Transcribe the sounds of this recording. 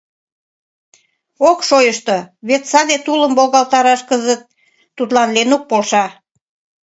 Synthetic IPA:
okʃojəʃt̪oβet̪sɑd̪et̪uləmbolɣɑlˠt̪ɑɾɑʃkəzət̪̚ː | ut̪lɑnlenuk̚polʃɑ

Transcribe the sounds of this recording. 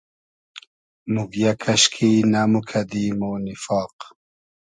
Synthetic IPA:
muɡjakʰɐɕkʰinamukʰɐd̪imonifɑːq

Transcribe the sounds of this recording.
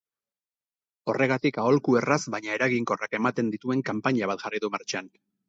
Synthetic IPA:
o̞re̞ɣ̞at̪ikao̞lkue̞razβaɲae̞ɾaɣiŋko̞rake̞mat̪e̞nd̪it̪ue̞ŋkampaɲaβ̞at̪ʝariðumaɾt͡ʃan

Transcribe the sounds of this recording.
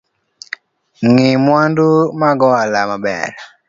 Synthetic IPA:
ŋimwandumaɡɔlamaɓɛ̰ɾa

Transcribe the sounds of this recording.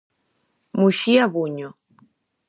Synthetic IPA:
muʃiaβuɲo

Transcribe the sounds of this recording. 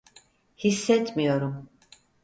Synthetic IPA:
hisːɛt̪ʰmijoɾum

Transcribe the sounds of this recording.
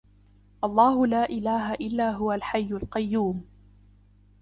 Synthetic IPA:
ʔɑlˤːɑːhʊlaːʔɪlaːɦaʔɪlːaːɦʊwalħajːʊlqɑjːuːm

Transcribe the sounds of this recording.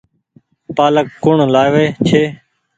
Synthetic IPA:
paːləkːʊɳːlaːjʋeːt͡ʃʰeː

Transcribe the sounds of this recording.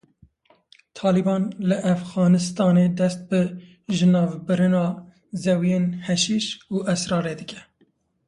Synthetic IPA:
t̪ʰɑːlibɑːnlɨʔæfɣɑːnɨst̪ɑːneːd̪ɛst̪̚bɨ | ʒɨnɑːvbɨɾɨnɑː | zɛwijenhɛʃiʃuːʔɛsɾɑːɾeːd̪ɨkɛ̥

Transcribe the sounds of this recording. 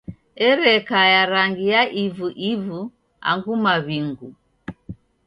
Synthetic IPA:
ɛɾɛkajaɾaŋɡijaʔivuʔivu | a̰ŋɡumaβiŋɡu

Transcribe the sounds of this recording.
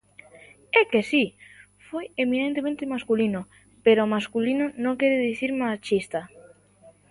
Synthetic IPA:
ɛkesi | fojeminẽnt̪emẽnt̪emaskulino | peɾomaskulinonõŋkɛɾeðiθiɾmat͡ʃist̪a

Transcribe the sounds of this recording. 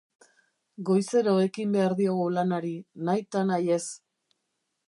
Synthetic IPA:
ɡo̞jse̞ɾoe̞kimbe̞aɾðioɣulanaɾinajt̪anaje̞s

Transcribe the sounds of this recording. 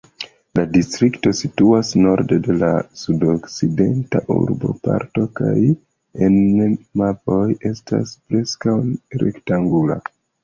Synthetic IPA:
ladistɾikto̞situasno̞ɾde̞de̞lasudokside̞ntaʔṵɾbo̞̰pa̰ɾto̞ka̰j | enmapo̞je̞stʰa̰spɾe̞skawɾe̞̰ktaŋɡula̰

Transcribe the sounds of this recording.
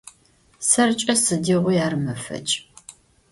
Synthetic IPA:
sɐrt͡ʃʼɐsɨdiʁʷʊjaːrmɐfɐ̰t͡ʃʼ

